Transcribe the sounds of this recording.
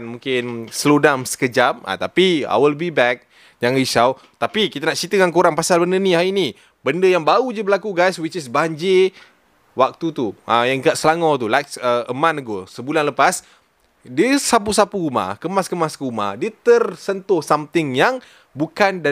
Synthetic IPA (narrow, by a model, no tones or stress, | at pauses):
nmũŋkɪnslodamsə̥kəd͡ʒama̰t̪apia̰wəlbibɛk̚ | jaŋɾiʃaw | t̪apikit̪anaʔt͡ʃit̪əŋankoɾaŋpasalbəndənihaini | bəndəjaŋbaud͡ʒəbəlakuɡajswit͡ʃɪsbaɲd͡ʒi | wak̚t̪ut̪uʔəjaŋkaʔsəlaŋɔt̪̬ulajksəəmãnəɡosəbulanləpas | dəsapusapuɾuma̰hkəmaskəmaskəɾuma̰dət̪ərsənt̪ʊhsamt̪ɪŋjaŋ | bukanda